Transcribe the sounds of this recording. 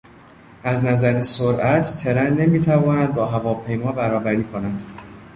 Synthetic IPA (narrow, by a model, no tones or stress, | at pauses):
ʔæznæzæɾesoɾʔæt̪ʰt̪ʰe̞ɾænːe̞miːt̪ʰævɒːnæd̪̚bɒːɦævɒːpʰe̞jmɒːbæɾɒːbæɾiːkʰo̞næd̪̥